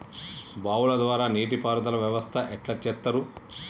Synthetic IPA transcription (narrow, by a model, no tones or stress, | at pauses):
baːwulɐd̪ʋaːɾaːneːʈipaːɾɐd̪ɐlɐʋjɐʋɐst̪ʰɐʔɛʈlɐt͡ʃːɛt̪ːɐɾu